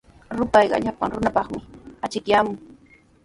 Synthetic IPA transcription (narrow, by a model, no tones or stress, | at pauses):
ɾʊpɑjɢɑ̰ʎapa̰ŋɾʊnapɑχmɪat͡ʃɪkjaːmʊŋ